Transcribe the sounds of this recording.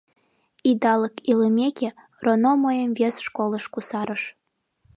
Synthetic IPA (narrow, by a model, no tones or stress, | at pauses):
id̪ɑləkiləmʲeke | ronomojəmvesʃkoləʃkusɑɾəʃ